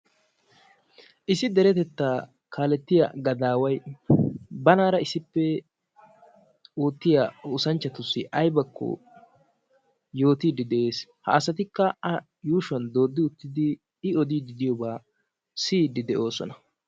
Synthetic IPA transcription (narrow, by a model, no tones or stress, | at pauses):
ʔɪsɪd̪ɛɾɛt̪ɛt̪ːaː | kʰaːlɛt̪ːɪja̰ɡɐd̪aːwɐj | bɐnaːɾɐɪsɪpːɛ | uːt̪ːɪjaʊsɐnt͡ʃːɐt̪ʊsːɪʔɐjbɐkːɔ̰ | jo̞ːt̪iːd̪ɪd̪ɛʔeːshɐ̰ːsɐt̪ɪkːɐɐ | juːʃwɐnd̪o̞ːd̪ːɪʊt̪ːɪd̪ɪː | ɔd̪iːd̪ɪd̪ɪjɔbaː | siːd̪ɪd̪ɛʔo̞ːsɔ̰nɐ